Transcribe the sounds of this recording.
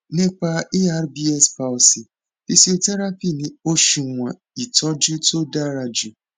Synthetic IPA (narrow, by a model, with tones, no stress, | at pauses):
nɪ̃˦k͡pa˧e˦a˦ɾbi˦ɛ˦spa˨ɔ˨si˨ | fi˦si˦o˦tɛ˦ɾa˦pi˦˨nĩ˦o˦ʃu˨ŋʷã˨ | i˨tɔ˦d͡ʒu˦to˦da˦ɾa˧d͡ʒu˨